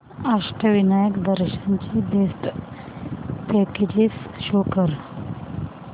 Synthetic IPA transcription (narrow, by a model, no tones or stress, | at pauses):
aʂʈəʋinajəkd̪əɾɕant͡ɕibesʈ | pɛked͡ʑisɕokəɾ